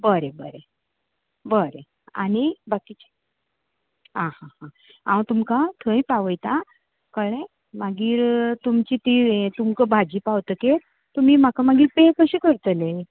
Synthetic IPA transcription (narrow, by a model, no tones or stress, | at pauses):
bəɾebəɾe | bəɾe | a̰nibakit͡ɕi̥ | ɦãhãhã | ã̰wt̪umkat̪ʰə̃ĩpaʋəjt̪a | kəɭẽ | maɡiːɾt̪umt͡ɕit̪it̪umkəbʱad͡ʑipawt̪əke | t̪umiːm̤akamaɡiːɾpẽkəɕikəɾt̪əle